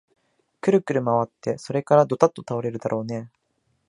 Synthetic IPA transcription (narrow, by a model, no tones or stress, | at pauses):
kɯ̟ɾɯ̟kɯ̟ɾɯ̟maβat̪ːe̞so̞ɾe̞kaɾad̪o̞t̪at̪ːo̞t̪aoɾe̞ɾɯ̟d̪aɾʔo̞ːne̞